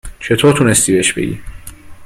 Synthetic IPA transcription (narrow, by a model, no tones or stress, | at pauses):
t͡ʃʰe̞t̪ʰoːɾt̪ʰunest̪iːbeeʃb̥e̞̰ɡḭː